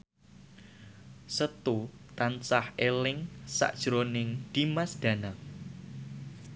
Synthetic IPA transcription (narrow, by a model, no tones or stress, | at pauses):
sət̪u | t̪ant͡ʃahʔelɪŋsa̰ʔd̥ʒ̥ɾonɪŋd̪̥imasd̪̥ä̤na